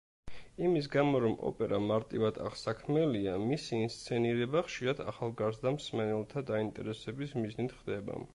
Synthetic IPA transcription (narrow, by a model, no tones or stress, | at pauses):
imis̬ɡamɔɾɔmɔ̰pʼɛɾʔamaɾt̪ʼivad̪ʰa̰ʁsakʰmɛliamisiːnst̪sʰɛniɾɛbaχʃiɾad̪a̰χalˠɡaɾsd̪amsmɛnɛlˠt̪ʰad̪aint̪ʼɛ̰ɾɛsɛbismiznit̪ʰχd̪ɛba̰